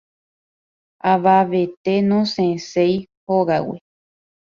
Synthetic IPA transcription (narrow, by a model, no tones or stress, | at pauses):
aʋaʋet̪enõsẽsejhoɡawḛ